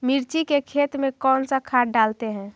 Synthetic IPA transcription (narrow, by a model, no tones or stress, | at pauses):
miɾt͡ʃikekʰet̪mẽkɔːnsakʰaʈɖalt̪eɦɛ̃ː